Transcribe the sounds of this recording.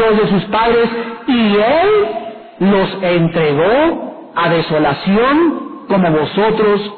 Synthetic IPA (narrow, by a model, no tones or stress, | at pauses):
ozðe̞s̬uspaðɾe̞sielː | o̞sent̪ɾe̞ɣo | aðe̞so̞lasjo̞ŋko̞mo̞βo̞so̞t̪ɾo̞s